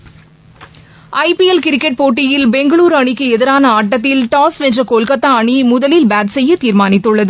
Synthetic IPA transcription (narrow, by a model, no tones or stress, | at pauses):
ʔɐɪpiɛlkɪɾɪkːɛʈ̚poːʈːɪjɪlbɛŋɡɐɭuːɾɐɳɪkːɯɛðɪɾaːnɐaːʈːɐt̪̬ːɪlʈaːsɛndrɐkoːlkɐt̪ːaɐɳimʊðɐlɪlbaːt̪sɛjːɐt̪ːiːɾmaːnɪt̪ːɯɭːɐðɯ